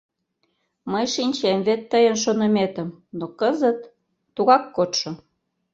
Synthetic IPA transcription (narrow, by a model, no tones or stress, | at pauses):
məjʃinʲt͡ɕemβet̪ːəjənʃ̬onə̆met̪ə̆mnokəzət̪ː | uɣɑkːot̪ʃŏ